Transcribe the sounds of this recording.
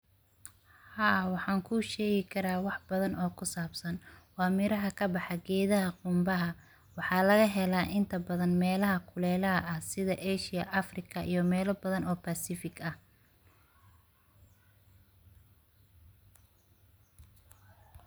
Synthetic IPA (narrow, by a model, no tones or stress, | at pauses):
haːwɑħɑːŋkʰʊʃɛːɣɪkʰɐɾaːwɑħb̥ɐðɐnʔɔːkʰʊsaːbsɐnwɑːmɪɾɐɦɐkʰɐbɑħɑɡɛːðɐɦɐqʊmbɐɦɐ | wɑħɑːlɐɣɐɦɛlaːʔɪnt̪ʰɐbɐðɐnmɛːlɐɦɐkʰʊlɛːlɐɦɐʔɐhsɪðɐʔɛʃɪjɐʔɐfrɪkʰɐʔijɞmɛːlɐbɐðɐnɔːpʰasɪfɪkɐh